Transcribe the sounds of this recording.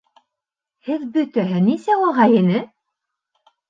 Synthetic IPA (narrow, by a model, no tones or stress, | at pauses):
hɘðbɵ̆t̪æɦɘnisæuʁɑjinɘ